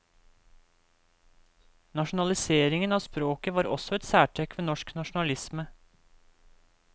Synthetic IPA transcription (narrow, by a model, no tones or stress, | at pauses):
nɑʃnɑlɪseːɾɪŋənɑːspɾoːkəʋɑːɾɔ̰sɔɛt̪sæːʈʰɛkʋeːnɔʃknɑʃn̩ɑlɪsmə